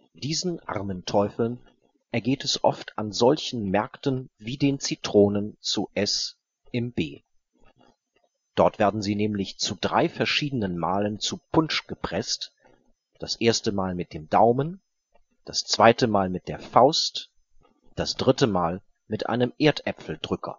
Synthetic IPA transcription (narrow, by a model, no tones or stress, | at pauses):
d̥iːzn̩ʔa̰ʁməntʰɔʏfl̩n | ʔɛɐɡeːtɛsʔɔ̰ftʰa̰nzɔlçn̩mɛɐktən̩viːdeːnt͡sitʁ̥oːnənt͡suʔɛs | ʔɪmbeː | d̥ɔɐtv̥eːɐdn̩ziːnɛːmlɪçt͡sudʁaɪfɛɐʃiːdənənmaːlənt͡supʰʊnt͡ʃɡ̥əpʁ̥ɛst | d̥asʔeːɐstəmaːlmɪt̚d̥eːmdaʊmən | d̥ast͡sv̥aɪtəmaːlmɪt̚d̥eːɐfaʊst | d̥asd̥ʁɪtəmaːl | mɪtʔa̰ɪnəmʔeːɐtʔɛpfl̩dʁʏkʰɐ̰